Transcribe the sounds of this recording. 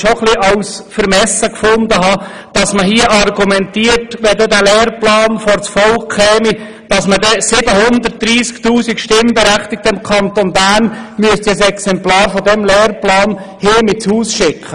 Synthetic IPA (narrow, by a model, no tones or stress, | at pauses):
ʃoχliʔɑwsfəɾmɛsəkfʊnd̪əɦɑː | d̥ɑsməɦiəʔɑrɡumɛnt̪iːərtʋɛd̪ɛd̪ælɛːrplɑːnfɔɾt͡sfɔlkʰːɛːmi | d̥ɑsmədɛsɪbəhʊnd̪ərt̚d̥ɾiːskt̪uːsikʃtɪmbɛɾæχt̪ɪk̚təɪmkʰɑnt̪onbæːnmyəst̪ɛsɛksɛmplɑːɾfɔd̪ɛmlɛːrplɑːn | hɪːmɪt͡shuːsʃɪkʰə